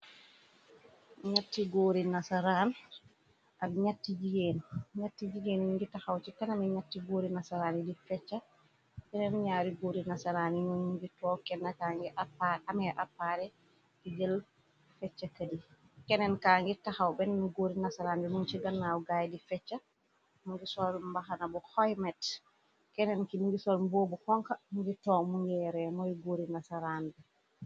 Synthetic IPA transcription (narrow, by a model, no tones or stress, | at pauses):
ɲatːiɡoːɾinasaɾan | ʔaiɲatːid͡ʒiɡenɲatːid͡ʒiɡenŋɡitahawt͡ʃikanamɛɲatːiɡoːɾinasaɾaːnidifɛt͡ʃːa | kɛnɛnɲaɾiɡoːɾinasaɾaninunɡitɔkɛnːakaːŋɡɛʔapaamɛʔa̰pːaɾɛ | d̥iɡɛl | fɛt͡ʃːakadi | kɛnɛnkaŋɡɛtahawbɛnmiɡoɾinasaɾandɛmunt͡ʃiɡanːawɡajdifɛt͡ʃːa | muŋɡɛsɔɾmbaɦanabɔhɔjmɛt | kɛnɛnkimuɡisɔlmbobɔhɔŋkamuɡitɔmuŋɡɛɾɛmɔjɡoɾinasaɾandɛ